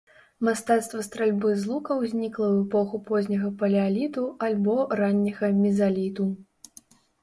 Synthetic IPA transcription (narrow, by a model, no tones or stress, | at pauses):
mast̪at̪st̪vɐst̪ɾalʲbɨzlˠukɐwzʲnʲiklˠɐwɛpɔxupɔzʲnʲɐɣɐpɐlʲɛalʲit̪ualʲbɔranʲːɐɣɐmʲizalʲit̪u